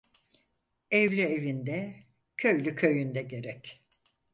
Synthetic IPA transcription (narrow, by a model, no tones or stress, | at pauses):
ɛvlʲyevind̪ɛ | cʰø̞jlʲycʰø̞jynd̪ɛɟe̞ɾɛc